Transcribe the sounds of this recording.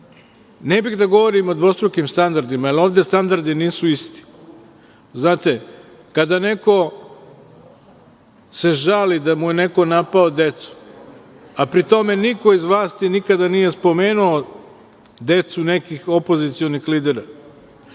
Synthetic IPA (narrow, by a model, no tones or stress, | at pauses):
nebiɣd̪aɡo̞ʋo̞ɾimod̪ʋo̞st̪ɾokimst̪and̪aɾd̪imaalo̞ːʋd̪e̞st̪and̪aɾd̪iniːsuist̪i̥ | znaːt̪e | kad̪ane̞ko̞ | se̞ʒalid̪amuje̞ne̞ko̞napaod̪e̞t̪su̥ | apɾit̪o̞me̞niko̞izʋlˠaːst̪inikad̪anije̞spo̞me̞ːnuo | d̪e̞t̪sunekixo̞po̞zit̪sijonixliːd̪eɾa